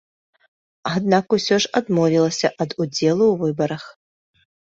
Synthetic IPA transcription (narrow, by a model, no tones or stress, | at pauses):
ad̪̚nakusʲɔʐad̪mɔvʲilˠɐsʲɐʔɐd̪ud͡zʲɛlˠuwvɨbɐɾɐx